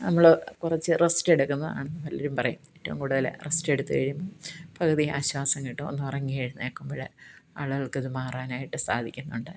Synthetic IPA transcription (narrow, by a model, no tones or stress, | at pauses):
nɐmːɐɭokurɐt͡ɕːɨresteɽukːunːɐða̰ːɳɨnːɐʋɐliːɐɾumpɐrɐjumetːɐʋumkuːɽuðɐlḛresteɽut̪ːɨkɐɻijumbopɐɣɐðiaːɕwaːsɐŋːiʈːɨonːɨɐrɐŋːieɻunːɨekːumbɐɽeɐ̰ɭuɣɐɭkɨðɨmaːraːnaːjiʈːɨsa̰ːd̪ʱikʲːunːuɳɖɨ